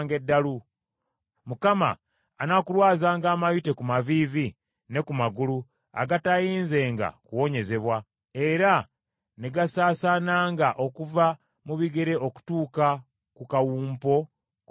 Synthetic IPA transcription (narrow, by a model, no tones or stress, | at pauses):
ŋɡe̞dːalu | mukama̰ː | nakulwaːzaːŋɡaːmajute̞kumavivi | ne̞kumaɡulu | a̰ɡatajiːnze̞ːŋɡa̰kuwo̞ɲe̞ze̞βwa | e̞ɾa | neɡasaːsanaːŋɡaʔo̞kuva | muβiɡe̞ɾe̞o̞ku̥tuːka | kukawuːmpo̞